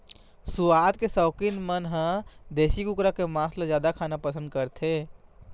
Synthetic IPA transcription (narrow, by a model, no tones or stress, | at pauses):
suad̪̚kesɔːkinmənɦə̃d̪esikukɾakemãːslad͡ʒjaːd̪akʰaːnapəsə̃nd̪kəɾt̪ʰe